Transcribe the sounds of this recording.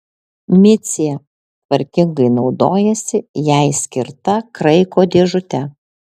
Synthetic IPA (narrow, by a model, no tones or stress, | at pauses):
mʲɪt̪sʲɪjɛ | t̪ʋɐɾʲkʲɪŋɡɐɪnɒʊd̪oːjɛsʲɪjæˑɪsʲkʲɪɾt̪ɐkɾɐɪkoːd̪ʲeːʒʊt̪ʲɛ